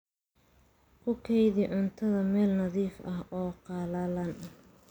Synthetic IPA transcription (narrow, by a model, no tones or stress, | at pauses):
kʰʊkʰɛjðɪʕʊnt̪ʰɐðɐmɛːlnɐðiːfɐɦɔːqɑlɐlɐn